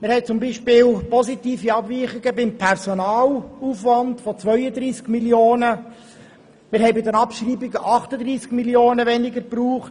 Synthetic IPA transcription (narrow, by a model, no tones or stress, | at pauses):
mɪɾhɛɪt͡sʊmbiːʃpɪːlpɔsitiːfiɑbviːχɪɡəbɪmpʰɛɾsɔnɑːlufʋɑndfɔt͡sʋœʏəd̪ɾiːskmiljoːnə | mɪɾhɛɪbɪdənɑpʃriːbɪɡəʔɑχtəd̪riːskmiljoːnəʋɛnɪɡəɾpruːχt